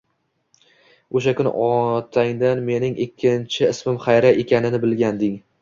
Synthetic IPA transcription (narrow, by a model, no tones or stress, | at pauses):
oʃ̬akʊnɪ̰ʔɒt̪ʰaŋd̪anme̞nɪŋɪkʲʰːɪnt͡ʃʰɪɪsmɪmχajɾaekʲʰanɪnɪbɪlɡʲand̪ɪŋ